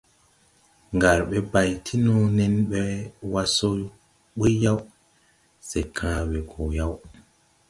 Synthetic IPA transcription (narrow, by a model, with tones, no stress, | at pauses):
ŋɡa˨ɾɓɛ˦ba˨jtʰi˦nɔ˦nɛ˦nɓɛwa˦so˦ | ɓi˦jːa˦w | sɛ˨kʰãː˦wɛ˨ɡɔ˨ja˦w